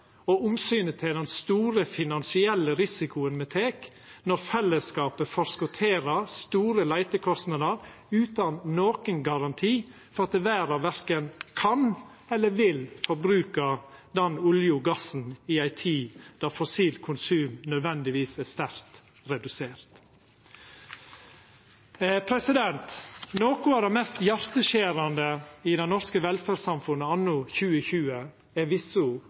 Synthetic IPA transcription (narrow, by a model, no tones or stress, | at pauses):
ɔʊmsyːnət̪ʰɪld̪ɛnst̪uːɾəfɪnɑnsɪɛlːəɾɪsɪkʊənmɛt̪ʰeːk | nɔɾfɛlːəskɑːpəfɔɾskʊt̪ʰeːɾəst̪uːɾəlæɪt̪əkʰɔst̪nɑd̪əɾ | ʉːt̪ɑnnoːkənɡɑɾɑnt̪ʰiːfɔɾɑt̪̚d̪ɛʋæːɾɑʋʋæɾkənkʰɑn | ɛlːəɾʋɪlfɔɾbɾʉːkɑd̪ɛnʊljʊɡɑsn̩ɪæɪt̪ʰiːd̪̥ɑɾfɔsiːlkʰʊnsʉːmnœd̪ʋɛnd̪ɪʋiːsæst̪æɾt̪ | ɾɛd̪ʉseːɾt̪ | pʰɾɛsɪd̪ɛnt̪noːkʊæd̪ɛmɛːst̪jæɾt̪əʃeːɾɑnd̪əɪd̪ɛɪnɔɾskəʋɛlfæːsɑmfʉnːəɑnːʊçʉːəçʉːə | ɛʋɪsʊ